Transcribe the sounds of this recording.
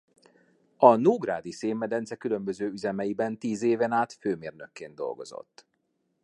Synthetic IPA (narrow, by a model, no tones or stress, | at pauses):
ɒnuːɡra̰ːd̪iseːmːɛd̪ɛnsɛkylø̞mbøzøːyzɛmɛjibɛnt̪iːzeːvɛnaːt̪føːmeːrnøkːeːnd̪o̞̰lɡo̞̰zo̰t̪ː